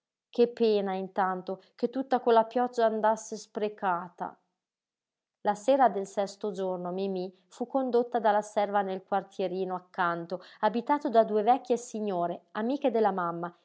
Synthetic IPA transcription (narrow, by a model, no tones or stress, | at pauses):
kepːɛːnaint̪ant̪ok̟et̪ːut̪ːakolːapjɔd͡ʒːaːnd̪asːespɾekaːt̪a̰ | laseːɾad̪elsɛst̪od͡ʒornomimi | fukːond̪ot̪ːad̪alːasɛrvanelkwart̪jeɾiːnoakːant̪oabit̪aːt̪od̪ad̪uːevɛkʲːjesiɲːoːɾeamiːked̪elːamamːa